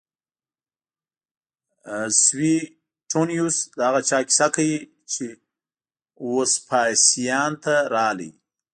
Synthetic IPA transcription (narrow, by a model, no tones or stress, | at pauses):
swi | ʈʰonjusd̪əhaɣat͡ʃɑkʲi̥sakawi | t͡ʃe | wospʰɑjsijɑnt̪aɾɑlḭ